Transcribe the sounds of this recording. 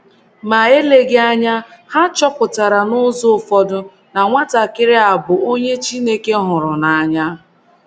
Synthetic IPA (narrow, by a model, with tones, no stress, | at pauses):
ma˨e˦le˦ɡe˦a˦ɲa˦ha˦t͡ʃɔ˦pʊ˨ta˨ɾa˨nʊ˦zʊ˦˨fɔ˦dʊ˦ | na˨ŋʷa˦ta˨kɪ˦ɾɪ˦a˨bʊ˨o˦ɲe˦t͡ʃi˦ne˦ke˦ɦʊ˨ɾʊ˨na˨a˨ɲa˦